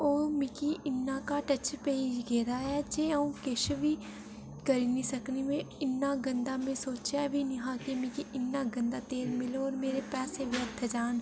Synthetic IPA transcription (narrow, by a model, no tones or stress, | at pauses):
oːmɪ̃kiɪnːakaʈɐt͡ʃpeːd͡ʒɡeːɾaɦɛd͡ʒeəũkeʃbʱi | kɐɾinisɐknimẽɪnːaɡə̃nd̪amẽsoːt͡ʃabʱiniɦãːkemɪ̃kiɪnːaɡə̃nd̪at̪eːɾmɪlɔːɾmeːɾepɛːseʋjət̪ʰd͡ʒaːn